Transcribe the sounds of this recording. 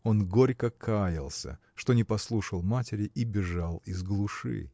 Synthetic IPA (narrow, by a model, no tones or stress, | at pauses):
o̞nɡo̞ɾʲkəkʰajɪlˠsʲə̰ | ʂt̪o̞nʲɪpɐslˠuʂəlˠmatʲɪɾʲɪʔibʲɪʐalˠizɡlˠuʂɨ̰